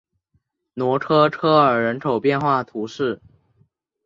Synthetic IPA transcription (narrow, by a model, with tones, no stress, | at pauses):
nwɔ˧˥ʈ͡ʂʰɤ˥ʈ͡ʂʰɤ˥ə˞˨˩ɻə˧˥nkʰo˨˩ʊpjɛ˥˧nxwa˥˩t̪ʰu˧˥ʂɻ̩˥˩